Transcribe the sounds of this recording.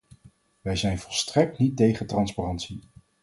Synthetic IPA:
ʋɛjzɛjnvɔlˠstrɛk̚tnitejχəntrɑnsparɑntsi

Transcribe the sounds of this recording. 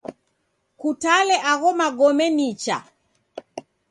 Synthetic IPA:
kutalɛʔaɣɔmaɡɔmɛnit͡ʃa̰

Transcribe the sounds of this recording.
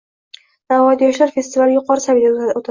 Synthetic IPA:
n̥avɒjd̪jɒʃlaɾfe̞st̪ɪvalɪjʊqʰɒɾɨsavid̪aot̪ʰa

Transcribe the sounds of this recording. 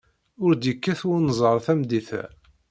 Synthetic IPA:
ʊɾd̪jəkːæθwʊɾnzˤəɾˤθæmd̪iθæ̰

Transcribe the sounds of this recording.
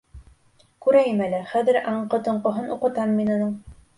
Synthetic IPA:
kʉɾæjɘmælæχæðɘ̆ɾʔɑɴqɤ̆t̪ŏɴqŏɦɤnʔuqɤ̆t̪ɑmːinɑ̆nɤɴ

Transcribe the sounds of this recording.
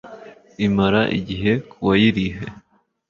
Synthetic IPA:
imaɾaʔḭɟiɦe̞kʰuwajiɾihe

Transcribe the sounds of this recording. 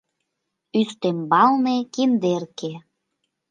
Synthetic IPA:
yst̪embɑlnekind̪erke

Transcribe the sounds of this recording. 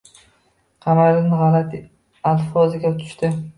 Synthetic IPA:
qʰɑmaɾɪnɪʁɑlat̪ʰɪ | alfɒzɪɡʲat̪ʰʊ̥ʃt̪ɪ

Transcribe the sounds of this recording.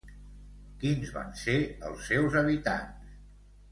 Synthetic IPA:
kinzβa̰nseə̰lˠsːɛwzəβit̪a̰ns

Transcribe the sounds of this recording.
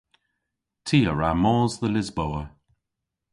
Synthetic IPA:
tʰiːəɹamɔːzðəlɪzbowə

